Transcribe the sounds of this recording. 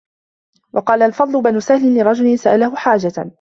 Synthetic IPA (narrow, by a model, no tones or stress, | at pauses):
wʔɑqɑːlaʔlfɑd̪ˤlʊbanʊsahlɪnlɪɾˤɑd͡ʒʊlɪnsaʔalahʊħaːd͡ʒa